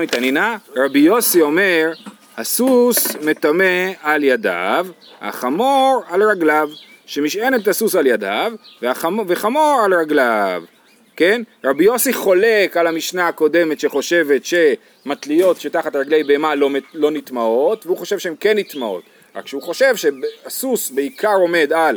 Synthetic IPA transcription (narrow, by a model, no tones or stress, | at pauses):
mit̪aninaʁabijo̞sio̞meʁ | hasusme̞t̪amealjada̰vha̰χamo̞ʁalʁaɡlavʃe̞miʃe̞netasusaljada̰vveaaveχamo̞ʁalʁaɡlav | ke̞nʁabijo̞siχo̞le̞kalamiʃnaako̞de̞me̞tʃe̞χo̞ʃe̞ve̞tʃe̞ | mat̪lio̞tʃetaχatʁaɡle̞jbeemalolo̞nitmao̞tveuχo̞ʃevʃeemke̞nːit̪mao̞̰t | ʁa̰kʃeuχo̞ʃe̞vʃe̞basusbeikʰaʁo̞me̞dal